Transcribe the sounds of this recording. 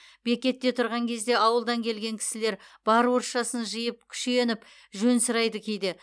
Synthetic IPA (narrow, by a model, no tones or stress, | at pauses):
be̞kʲe̞t̪ːe̞t̪ʰʊɾʁɑŋkʲʰe̞zd̪e̞ɑwəlˠd̪ɑŋkʲʰe̞lɡʲe̞ŋkʲʰɪ̥sɪle̞ɾb̥ɑɾwoɾʃɑsənʒijəp̚kʲʰʏ̥ʃenɪp | ʒɵnsəɾɑjd̪əkʲʰejd̪ɪ